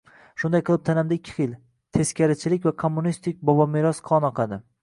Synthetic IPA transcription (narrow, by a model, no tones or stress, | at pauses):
ʃʊnd̪ajqʰɨlˠɪp̚t̪ʰanamd̪aɪkʲʰːɪ̥χɨl | t̪ʰe̞skʲʰaɾɪt͡ʃʰɪlɪkʲvakʰomːʊnist̪ɪk̚ʲbɒbɒmeɾɒsqʰɒnɒqʰɑd̪ɪ